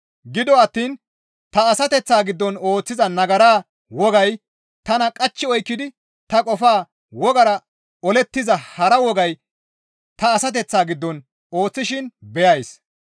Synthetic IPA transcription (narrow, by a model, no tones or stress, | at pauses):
ɡɪd̪ɔɐt̪ːiːn | t̪ɐːsɐt̪ɛt͡sːaːɡɪd̪ːɔno̞ːt͡sːɪzɐnɐɡɐɾaː | wɔɡɐj | t̪ɐnɐkʼɐt͡ʃːɪɔjkːɪd̪ɪ | t̪ɐkʼɔfaː | wɔɡɐɾɐ | ɔlɛt̪ːɪzɐhɐɾɐwɔɡɐj | t̪ɐːsɐt̪̬ɛt͡sːaːɡɪd̪ːɔn | o̞ːt͡sːɪʃɪnbɛjɐjs